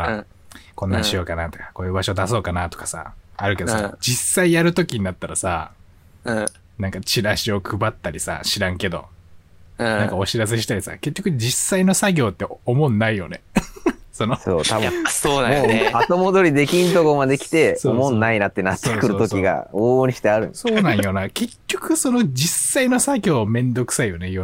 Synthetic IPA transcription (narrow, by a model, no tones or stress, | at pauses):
kõ̞nːaɲɕio̞ːkanat̪o̞̥kḁko̞ːjɯ̟ːbaɕo̞d̪aso̞ːkanat̪o̞̥kḁsa̰aɾɯ̟ked̪sad͡ʑisːaijaɾɯ̟t̪o̞kʲiɲ̟inat̪ːaɾasã̰ | nãŋkat͡ɕiɾaɕio̞kʰɯ̟bat̪ːaɾʲisa̰ɕiɾãŋke̞d̪õ̞̰ | nãŋkao̞ɕiɾas̬eɕi̥t̪aɾʲisa̰ke̞kʲːo̞kɯd͡ʑisːaino̞saɡʲo̞ːt̪ːe̞omo̞nːaijo̞̰ne | so̞noso̰ːt̪ajaasoːnaoat̪o̞mod̪o̞ɾʲid̪e̞kʲĩnt̪okomad̪e̞kʲi̥t̪e̞soomõnːainat̪ːe̞nat̪ːoekɯ̟ɾɯt̪o̞kʲiɡa̰oːɲʲiɕi̥t̪eaɾɯ̟̰̃nso̞ːnãɰjo̞nake̞kʲːo̞kɯ̟so̞no̞d͡ʑisːaino̞saɡʲo̞ːmẽ̞nd̪o̞kɯ̟̥saijo̞nei